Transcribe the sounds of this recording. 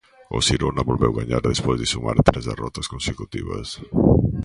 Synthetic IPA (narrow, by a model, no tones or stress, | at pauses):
osiɾonaβolβɛwɣaɲaɾðespozðɪsuma̰ɾt̪ɾezðerɔt̪askonsekut̪iβɐs